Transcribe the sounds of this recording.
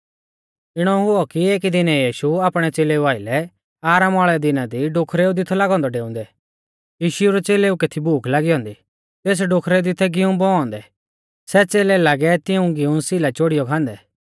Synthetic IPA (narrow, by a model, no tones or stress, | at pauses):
ɪɽ̃ɔɦʊɔkieːkd̪ɪnɛjiːʃuaːpɽ̃ɛt͡seːleuaːɪlɛ | aːɾamɔːɭɛd̪ɪnad̪iɖokʰɾeud̪ɪt̪ʰɛlaɡɔ̃ːnd̪ɔɖeːʊ̃ːnd̪ɛ | jiːʃʊuɾɛt͡seːleːuket̪ʰibʱuːkʰlaɡiɦɔ̃ːnd̪i | t̪eːs̬ɖokʰɾɛd̪ɪt̪ʰɛɡɪũbɔɔ̃ːnd̪ɛ | sɛt͡seːlɛlaɡɛt̪ɪũɡɪũsɪlat͡ʃoɽijɔkʰãːnd̪ɛ